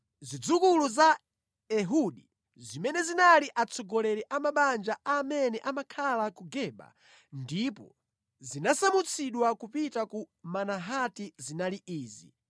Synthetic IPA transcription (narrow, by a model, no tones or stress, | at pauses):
zid͡zukuluza | ɛɦuɗi | zimɛnɛzinaliʔat͡sʰɔɡɔlɛɾɛʔamaɓand͡ʒaamɛnɛʔamakʰalakuɡɛɓa̰ | ndipɔ̰ | zinasamut͡sʰiɗwakupitakumanaɦatizinaliʔiːzḭ